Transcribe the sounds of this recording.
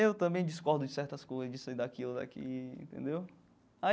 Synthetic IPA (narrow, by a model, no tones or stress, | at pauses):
ewt̪ɐ̃mbẽj̃d͡ʒiskɔɾd̪ʊd͡ʒɪsɛɾt̪ɐskojzɐzd͡ʒised̪akilʊd̪a̰kḭḛ̃nt̪ḛ̃nd̪ew | a